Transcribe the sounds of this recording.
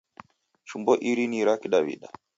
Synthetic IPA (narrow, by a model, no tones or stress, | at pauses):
ʃumbɔʔiɾiniɾakiɗaβḭɗa